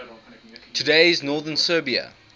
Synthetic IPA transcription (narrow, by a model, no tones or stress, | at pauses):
tʰudeɪɪznɔːðənsɜːbiə̰